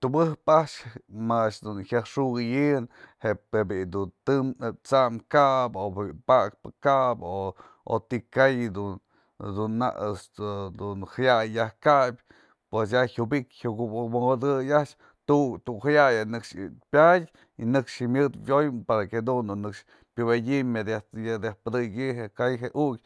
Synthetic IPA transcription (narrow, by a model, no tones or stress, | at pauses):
t̪ubɨhpaʔt͡ʃmat͡ʃd̪unhʲjahʂuɣɨjɨnhepebid̪unt̪ɨmt͡saʔmkaʔbopak̚pɨkaʔbo | o̰t̪ikajd̪u | d̪unːa̰ | d̪unhajajːahkabʲ | pwes̬jahubikʲhuɡmod̪ɨjaʔt͡ʃ | t̪ut̪ukhajajanɨkʂpʲjadʲ | inɨkʂimjɨd̪jojpaɾaked̪und̪unːɨkʂ | pʲɨwedʲimad̪ajad̪ahpɨd̪ɨɡʲɨɦekajɦeʔukʲ